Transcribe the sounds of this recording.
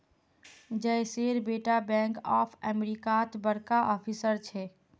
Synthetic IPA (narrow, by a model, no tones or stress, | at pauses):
d͡ʒəseɾbeʈabɛ̃ŋkɔpʰɛmeɾikat̪bəɽkaʔɔːpʰisəɾt͡ʃʰɛ